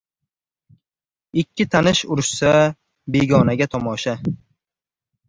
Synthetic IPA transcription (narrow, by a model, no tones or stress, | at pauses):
ɪkʲːɪt̪ʰanɪʃʊɾɪʃsa | be̞ɡʲɒnaɡʲat̪ʰɒmɒʃa